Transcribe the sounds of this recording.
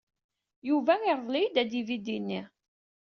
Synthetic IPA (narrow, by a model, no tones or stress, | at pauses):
juvæiɾˤðˤlijd̪æd̪ivid̪inːi